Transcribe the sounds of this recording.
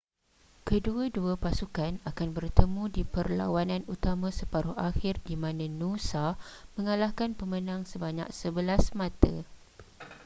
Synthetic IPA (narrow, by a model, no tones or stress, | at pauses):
kəduaduapasukanakanbərt̪əmũdipərla̰wanãnut̪amãsəpaɾʊhaxɪrdimãnãnũsamə̃ŋalahkanpəmə̃nãŋsəbaɲa̰k̚səbəlasmãt̪ə̰